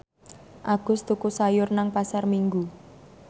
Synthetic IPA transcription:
ʔaɡ̥ʊ̤st̪ukusajʊrnaŋpasarmiŋɡu

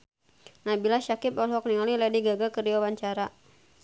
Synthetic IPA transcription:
nabilaʃakɪpɔlɦɔk̚niŋɔlilɛdiɡaɡakəriawaɲt͡ʃaɾa

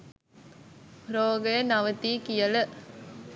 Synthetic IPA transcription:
ɾoːɡəjənɐʋət̪iːkijɐlə

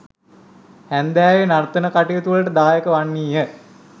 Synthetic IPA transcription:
hænd̪æːʋenart̪ənəkaʈijət̪uʋələʈəd̪aːjekəʋanːiːjə

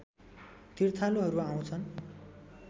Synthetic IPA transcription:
t̪irt̪ʰaloɦʌɾuaw̃t͡sʰʌn

